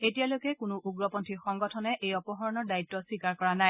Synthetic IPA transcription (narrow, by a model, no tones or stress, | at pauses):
etijalojkɛkʊnʊʔuɡɹɔpɔntʰixɔŋɡɔtʰɔnɛʔejɔpɔɦɔɹɔnɔɹdaitːɔswikaɹkɔɹanaj